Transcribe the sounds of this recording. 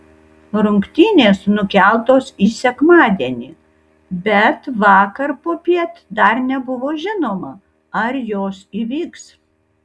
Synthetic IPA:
ɾʊŋkt̪ʲiːnʲeːsnʊkʲælˠt̪oːsiːsʲɛkmɑːd̪ʲiɛnʲiː | bʲɛt̪ʋɑːkɐɾpoːpʲiɛt̪ʲd̪ɐɾnʲɛbʊʋoːʒʲɪnoːmɐ | ɐɾjoːsiːʋʲiːks

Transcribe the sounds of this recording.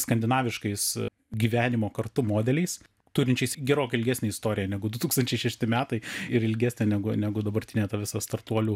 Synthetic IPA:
skɐnʲd̪ʲɪnɑːʋʲɪʃkɐɪs | ɡʲiːʋʲæːnʲɪmoːkɐrt̪ʊmoːd̪ʲɛlʲɛɪs | t̪uːɾʲɪnʲt͡ʃʲɛɪsɡʲɛɾoːkʲɐɪlʲɡʲæːsʲnʲeɛɪst̪oːɾʲɪjɛnʲɛɡʊd̪ʊt̪uːkst̪ɐnʲt͡ʃʲɛɪʃʲɛʃʲt̪ʲɪmʲæːt̪ɐɪɪɾɪlʲɡʲæːsʲnʲeːnʲæɡʊnʲæɡʊd̪ɐbɐɾʲt̪ʲɪnʲeːt̪ɐʋʲɪsɐst̪ɐrt̪uɔlʲuː

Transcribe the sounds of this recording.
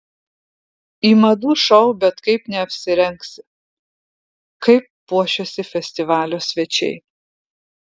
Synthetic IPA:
iːmɐd̪uːʃɐʊbʲɛt̪kɐɪpnʲɛɐpʲsʲɪɾʲɛŋksʲɪ | kɐɪpːuɔʃʲoːsʲɪfʲɛsʲt̪ʲɪʋɑːlʲoːsʲʋʲɛt͡ʃʲɛ̰ɪ

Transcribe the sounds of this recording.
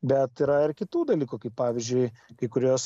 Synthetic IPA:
bʲɛt̪iɾɐɪrkʲɪt̪uːd̪ɐlʲiːkukɐɪppɑːʋʲizʲd͡ʒʲʊɪkɐɪkʊɾʲuːs

